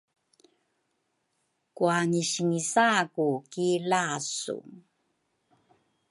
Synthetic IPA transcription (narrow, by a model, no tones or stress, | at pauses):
kuaniɕiŋisakukilasṵ